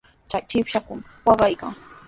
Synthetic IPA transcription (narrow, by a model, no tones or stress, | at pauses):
t͡ʃajt͡ʃɪpʃakʊmwɑɢɑjka̰ŋ